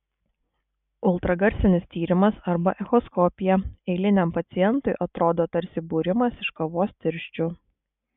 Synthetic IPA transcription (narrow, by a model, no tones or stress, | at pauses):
ʊlˠt̪ɾɐɡɐɾʲsʲɪnʲɪst̪ʲiːɾʲɪmɐsɐɾbɐʔɛxɔskɔːpʲɪjɛɛɪlʲɪnʲɛmpɐt̪sʲɪjɛnt̪ʊɪʔɐt̪ɾoːd̪oːt̪ɐɾʲsʲɪbuːɾʲɪmɐsɪʃkɐʋoːst̪ʲɪɾʲʃʲt͡ʃʲʊ